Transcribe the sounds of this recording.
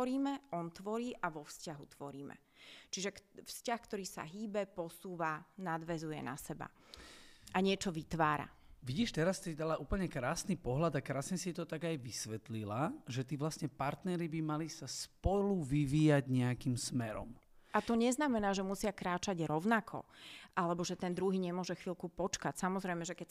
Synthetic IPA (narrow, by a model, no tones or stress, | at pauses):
ɔɾiːmɛʔɔnt̪ʋɔɾiːʔaʋɔfscaɦut̪ʋɔɾiːmɛ̰ | t͡ʃiʒɛkfscaxkt̪ɔɾiːsa̰ɦiːbɛpɔsuːʋanad̪ʋɛzujɛ̰na̰sɛba̰ | ʔaɲɪɛt͡ʃɔʋit̪ʋaːɾa̰ʋiɟiːʃt̪ɛɾast̪id̪alaʔuːpl̩ɲɛkɾaːsnipɔɦlad̪akɾaːsɲɛsit̪ɔt̪aɡajʋisʋɛt̪lilaʒɛt̪iːʋlasɲɛpaɾt̪nɛɾibimalisaspɔluʋiʋiːjaɟɲɛakimsmɛɾɔ̰mʔat̪ɔɲɛznamɛnaːʒɛmusɪakɾaːt͡ʃaɟɾɔʊnakʰɔ̰ʔalɛbɔʒɛt̪ɛnd̪ɾuɦiːɲɛmʊɔʒɛxʋilkupɔt͡ʃkacsamɔzɾɛjmɛʒɛkɛ